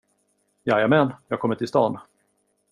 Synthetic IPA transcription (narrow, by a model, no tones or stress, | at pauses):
jajamɛnjɑːɡkʰɔmːəʈ̪ʰɪlst̪ɑ̰ːn